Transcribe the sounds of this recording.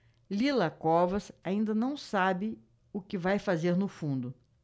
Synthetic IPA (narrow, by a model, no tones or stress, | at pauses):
lilɐkɔvɐsaĩnd̪ɐnɐ̃w̃sabɪ | ʊkɪvajfazeɾnʊfũnd̪ʊ